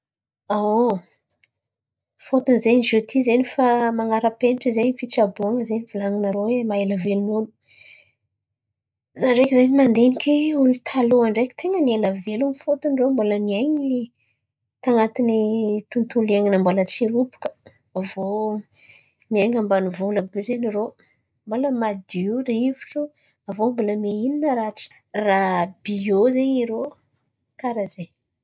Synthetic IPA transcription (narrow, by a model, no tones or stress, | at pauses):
a | fot̪unzeɲiʒut̪ʰizenifamaŋaɾəpenʈ͡ʂizeɲifit͡ʃabuaŋəzeniv̥ilaŋinaɾoemaeləvelunom | zaɳɖ͡ʐekʲizaɲimand̪enikʲiulit̪ʰaloaɳɖ͡ʐekʲi̥t̪ʰeŋənieləvelumifot̪unɖ͡ʐembolənieɲi | t̪aŋat̪init̪unt̪ulieŋinambolət͡siɾupu̥kə̥ | avo | miaŋambanuvolabuzeniɾo | mboləmad̪iuɾivuʈ͡ʂu | avomboləmeininəɾat͡si̥ | rabiozeɲiɾo | kaɾaze